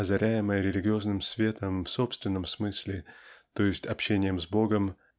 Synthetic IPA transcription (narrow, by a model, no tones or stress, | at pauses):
ɐzɐɾʲʔæjɪməjəɾʲɪlʲɪɡʲɪo̞znɨmsvʲe̞t̪əmfso̞pst̪vʲɪnːəmsmɨsʲlʲɪt̪o̞jɪsʲtʲɐpɕenʲɪjəmzbo̞ɡəm